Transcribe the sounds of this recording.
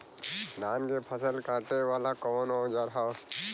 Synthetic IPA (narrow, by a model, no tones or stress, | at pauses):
naːnɡepʰəsəlkãːʈeʋaːlakɔnɔ̃d͡ʒaɾɦaw